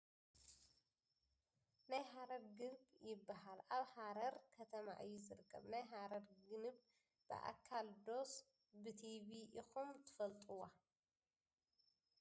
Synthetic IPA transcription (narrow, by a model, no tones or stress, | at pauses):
najɦaɾɐɾɡɨnbjɪbːaɦalaβhaɾɐɾkʰɐt̪ʰɐma̰ʔɨjːuzɨɾɨkʰːɐ̰βnajɦaɾɐɾɡɨnɨb | b̥ɨ̰ʔa̰kʰːald̪o̞s | bɨt̪ʰiβiʔixumt̪ʰɨ̥fɐlt̪ʼuwːa